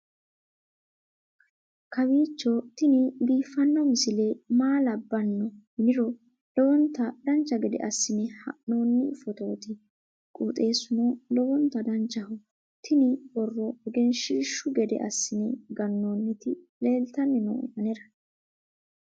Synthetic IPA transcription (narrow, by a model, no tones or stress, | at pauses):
kɐbiːt͡ʃːɔt̪ɪnɪɡiːfːɐnːɔmɪsɪle̞ːmaːlɐbːɐnːɔhɪnɪɾɔ | lɔwɔnt̪ːɐd̪ɐnt͡ʃːɐɡɛd̪ɛ̰ʔɐsːɪnɪhɐ̰ʔno̞ːnːɪfɔt̪o̞ːt̪ɪ | kʼuːt̪ʼe̞ːsʊnolɔwɔnt̪ːɐd̪ɐnt͡ʃːɐhʊ | t̪ʰɪnɪbɔrːɔɛɡɛnʃiːʃʊɡɛd̪ɛ̰ʔɐsːɪnɪɡɐnːoːnːɪt̪ɪ | le̞ːlt̪ɐnːɪnɔ̰ːʔɐnɛɾɐ